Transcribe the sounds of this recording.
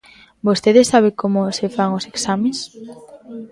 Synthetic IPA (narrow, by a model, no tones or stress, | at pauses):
bost̪eðesaβ̞ekomosefaŋoseksamẽs